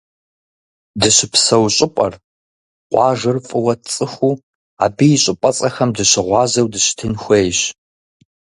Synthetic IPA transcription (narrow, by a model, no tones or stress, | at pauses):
dɨɕɪpʰsɐwɕʼɪpʷʼɐ̰r | qʷʼɑːʒɨrfʼɨwɐt͡sʼɨxʷuː | a̰ːbiːɕʼɪpʼɐt͡sʼɐxɐmdɨɕɪʁʷɑːzɐwdɨɕtʰɨnxʷejɕ